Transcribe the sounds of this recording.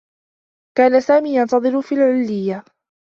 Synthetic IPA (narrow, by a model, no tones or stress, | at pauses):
kaːnasaːmiːjɑnt̪ɑðˤɨɾʊfiːlʕʊlːɪjːa